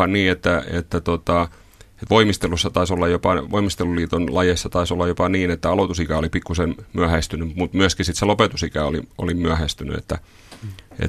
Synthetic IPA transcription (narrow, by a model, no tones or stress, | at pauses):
ɑnniːet̪ːæḛt̪ːæt̪ot̪ɑ | et̪ʋoimist̪elusːɑt̪ɑisolːɑjopɑʋoimist̪eluliːt̪onlɑjesːɑt̪ɑisolːɑjopɑniːnet̪ːæɑlot̪usikæolipikːusenmyæhæst̪ynymut̪myæskisit̪selopet̪usikæo̰lḭo̰limyæhæst̪yny̰ḛt̪ːæ̰ | ḛt̪